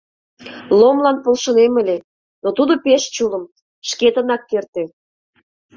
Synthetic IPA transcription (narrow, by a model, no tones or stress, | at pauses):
lomlɑnpolˠʃə̆neməlʲe | not̪ud̪opeʃt͡ɕuləm | ʃket̪ə̆nɑkːert̪ĕ